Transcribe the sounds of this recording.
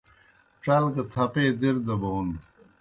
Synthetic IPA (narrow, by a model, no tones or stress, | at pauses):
ʈ͡ʂɐlkɐt̪ʰɐpeːd̪iɾd̪ɐboun